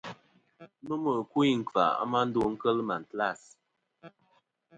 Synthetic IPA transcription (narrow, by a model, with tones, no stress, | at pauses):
nu˦mə˨ku˦i˦˨ŋ̩˨ka̰˨a̰˦ma˦n̩˦do˦ŋ̩˦kə˦lma˨n̩˨tla˦˨s